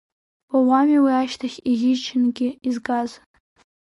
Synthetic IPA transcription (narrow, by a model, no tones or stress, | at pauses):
wawamiwiaʃtʰaχʲiɣʲɪt͡ʃʰɪnɡʲɪizɡaz